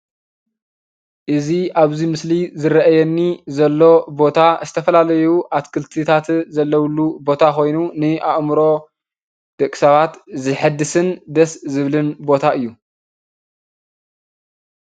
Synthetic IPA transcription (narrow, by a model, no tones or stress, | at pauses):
ʔɨziʔaβzimɨslizɨɾɐʔajɛnːizɐlːo̞bo̞t̪ʰazɨt̪ʰɐfɐlalɐjuʔat̪kʰɨlt̪ʰit̪ʰat̪zɐlːɐwlːubo̞t̪ʰako̞jnunɨʔaʔmɾo̞ | d̪̥ɐkʼːi̥sɐβat̪zɨħɨd̪ɨsɨnd̪ɐszɨβlɨnbo̞t̪ʰaʔɨjːu